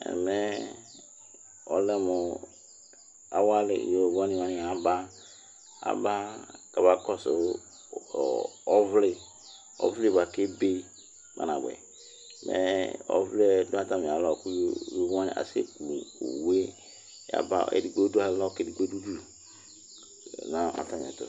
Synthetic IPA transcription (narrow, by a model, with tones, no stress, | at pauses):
ɛ̰˨mɛ˦ | ɔ˨˦lɛ˦mo˨ | a˨wa˦lɪ̰˨jo˨vã˦nĩ˦˨wa˦nĩ˨a˨ba˦ | a̰˨ba˦ka˨ba˨kɔ˦so˨ | ɔ˦vle˨ | ɔ̰˨˦vle˦ba˨ke˦be˦ | ma̰˨nã˨bɛ̰˨ | mʔɛ̰˨˦ɔ̰˨vle˦dõ˦a˦˨ta˦mĩ˨a˨lɔ˨ku˦jo˦jo˦a˦nḭ̃˨ʔa̰˨sḛ˦kṵ˨we˦ | ja̰˨ba̰˦ɛ̰˨di˨ɡ͡bo˦du˦a˨llɔ˦ke˦di˨ɡ͡bo˦du˦du˦˨ | nã˦a̰˨ta˦m˨ɛ̰˨to̰˨